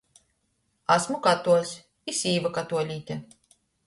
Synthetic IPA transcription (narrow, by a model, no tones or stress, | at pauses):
asmukat̪uɔsʲ | isʲiːvakat̪uɔlʲiːt̪ʲɛ